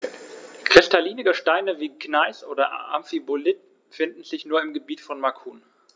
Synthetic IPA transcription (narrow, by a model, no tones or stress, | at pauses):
kʁ̥ɪstʰaliːnɪɡəʃtaɪnəviːknaɪsʔoːdɐʔa̰mfibolɪt | fɪndn̩zɪçnuːɐɪmɡəbiːtfɔnmakʰuːn